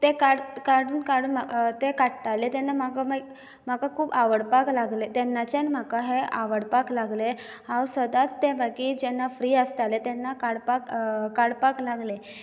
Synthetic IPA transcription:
t̪ekaɽkaɽuːnkaɽuːnmat̪ekaʈʈalet̪ɛnːamakama | m̤akakʰuːbaʋəɽpaklaɡlet̪ɛnːat͡ɕanm̤akaɦeʔaʋəɽpaklaɡle | ɦãwsəd̪at͡st̪ẽbakid͡ʑɛnːafɾiːəst̪alet̪ɛnːakaɽpakkaɽpaklaɡle

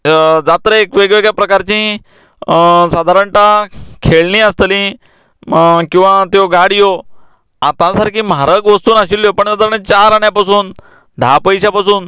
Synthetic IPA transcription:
d͡zat̪ɾəekʋeɡʋeɡɭjapɾəkaɾt͡ɕĩ | sad̪ʱaɾəɳʈakʰeɭnĩːəst̪əlĩ | kĩw̃ʋat̪joɡaɽijo | ãt̪ãsaɾkĩːmɦaɾəkʋəst̪uːnaɕilːjopəɳsad̪ʱaɾəɳt͡ɕaɾaɳjapasuːn | d̪ʱapəjɕapasuːn

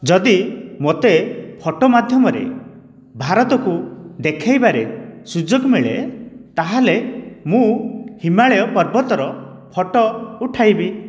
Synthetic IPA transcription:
d͡ʒɔd̪imot̪epʰɔʈɔmad̪ʱjɔmɔɾḛ | bʱaɾɔt̪ɔkud̪ekʰajbaɾesud͡ʒoɡmiɭet̪aɦalemũhimaɭeɔpɔɾbɔt̪ɔɾɔ | pʰɔʈɔuʈʰajbi

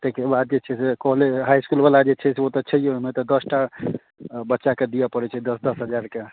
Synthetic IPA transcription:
t̪ekebad̪̚d͡ʒet͡ʃʰɛsekɔɦleɦajskulbalad͡ʒet͡ʃʰɛseot̪ɔt͡ʃʰɛjoɦmet̪ɔd̪əsʈa | bətːʃaked̪ijapəɾɛt͡ʃʰɛd̪əsd̪əsɦəd͡ʒaɾke

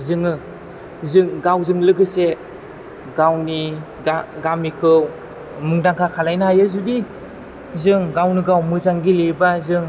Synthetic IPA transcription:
zɯŋɯ | zɯŋɡawzɯŋlɯɡɯse | ɡawni | aɡamikʰɯw | mɯŋdaŋkʰakʰalajnaɦajɯzudi | zɯŋɡawniɡawmɯzaŋɡilebazɯŋ

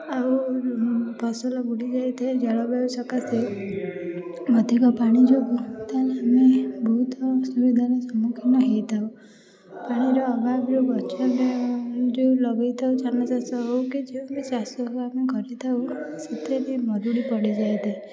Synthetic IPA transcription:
aw | pʰɔsɔlɔɡuɽid͡ʒajt̪ʰed͡ʒɔɭɔbausɔkase | mɔt̪ikɔpaɽ̃id͡ʒuɡut̪anamebʱɔt̪ɔsubid̪ʱaɾesɔmukʰinɔɦejt̪ʰaw | paɽ̃iɾɔːbabɾubɔt͡ʃɔb | d͡ʒulɔbejt̪ʰaut͡ʃanɔsasɔɦɔwkid͡ʒeubisasɔɦameɡʱɔɾit̪ʰawset̪ʰeɾimɔɾuɽipɔɽid͡ʒajt̪ʰe

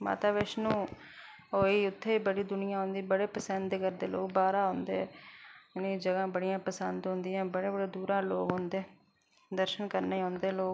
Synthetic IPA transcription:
ma̰ːt̪aːʋeːʃnũː | ɦoːiːʊt̪ʰːeːiːbəɽiːd̪ʊnɪjãːɦõːnd̪iːbəɽeːpəsənd̪kəɾd̪eːlo̰ːɡbaːɾaːɦõːnd̪ḛː | ned͡ʒəɡãːbəɽɪjãːpəsənd̪ɦõːnd̪ɪjãːbəɽeːbəɽeːd̪uːɾãːloːɡɦõːnd̪eː | d̪əɾʃənkəɾneːiːɦõːnd̪eːloːɡ

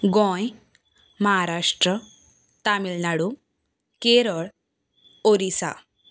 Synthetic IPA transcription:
ɡɔ̃j | məɦaɾaʂʈɾə | t̪amilnaɽu | keɾəɭ | oɾisa̰

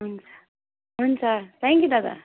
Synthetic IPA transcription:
ɦunt͡sʰḁ | ɦunt͡sʰʌt̪ʰɛŋkʲjud̪at̪a̰

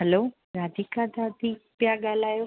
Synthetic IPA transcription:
ɦɛloː | ɾad̪ʱikad̪ad̪ikpjaɡalaːjo

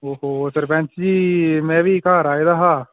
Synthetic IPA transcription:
oːɦoːsəɾpɛ̃nt͡ʃd͡ʒiːmɛ̃ːʋiːkaːɾaːid̪aːɦaː

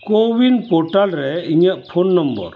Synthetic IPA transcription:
koʋinpoʈalɾɛiɲəʔpʰonːɐmbə̰ɾ

